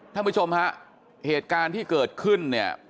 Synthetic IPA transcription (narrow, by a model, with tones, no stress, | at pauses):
t̪ʰa˥˩˨pʰu˦˥˩t͡ɕʰo˧mha˦˥ʔ | heː˨˩t̪̚kaː˧nt̪ʰiː˥˩kɤː˨˩t̪̚kʰɯ˥˩nːi˥˩ɐ